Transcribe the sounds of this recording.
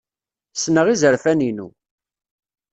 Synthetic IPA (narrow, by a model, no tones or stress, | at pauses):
snəʁizəɾfæninṵ